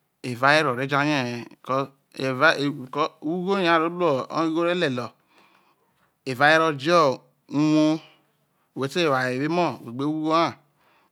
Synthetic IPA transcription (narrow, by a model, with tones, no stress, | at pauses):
e˨va˦e˦ɾo˨ɾe˦d͡ʒa˦ɲe˦˨kɔ˦ | e˨va˦˨kwu˦ɡo˦a˦˨ɾo˦lu˦ɔ̰˨˦i˦ɡo˦ɾe˦le˨lɔ˨ | e˨va˨˦je˦ɾo˦d͡ʒɔ˦˨ | u˦wo˦˨ | we˨te˦e˨wa˨e˨βe˦mɔ˦˨we˨ɡ͡be˦wu˦ɡo˦a˦˨